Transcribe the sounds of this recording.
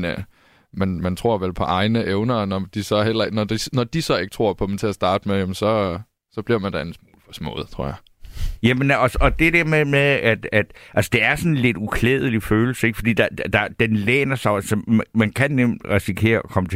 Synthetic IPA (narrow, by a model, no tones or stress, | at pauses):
n | mænmænt͡sʰʁo̝ɐ̰ʋelpʰɒ̽ʔɑ̈ɪnəʔeʊnɐːnɒd̥isɒ̽hel̰ɐeɡ̥nɒd̥inɒd̥isɒ̽e̝ɡ̥ə̥t͡sʰʁo̝ɐ̰pʰɒ̽d̥em̩t͡sʰe̝æsd̥ɑ̈ːd̥mejemn̩sɒ̽ | sɒ̽b̥liɐmænd̥ɑæn̩smuːlfɒsmɔ̰̽ð̩ˠt͡sʰʁo̝ɐ̰jɑ | jæmənɒsɒd̥e̝d̥eɐmemeðˠæd̥æd̥ʔælsə̥d̥e̝æɐsɒ̽n̩le̝d̥ukʰleːð̞ˠəliføːl̩səeɡ̥fɒ̽d̥ḭːd̥ɑd̥d̥ɑ̈d̥enlḛːnɐsɑ̈ɪælsɒmmænkʰænːem̰d̥ʁɛsikʰe̝̰ːɐɒkʰɒ̽mət͡sʰ